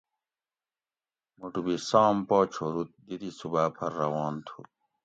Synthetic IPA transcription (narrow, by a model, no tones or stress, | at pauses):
muʈubisaːmpɔːt͡ɕʰoːɾut̪̚d̪id̪isubaːpʰɐɾːɐwɑːnt̪ʰu